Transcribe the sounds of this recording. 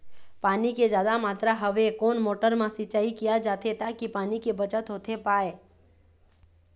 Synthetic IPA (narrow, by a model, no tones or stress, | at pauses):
paːniked͡ʒjaːd̪amaːt̪ɾaɦəʋekoːnmoːʈəɾmãsɪt͡ʃaːikijad͡ʒaːt̪ʰet̪akipaːnikebət͡ʃət̪ɦoːt̪ʰepaːe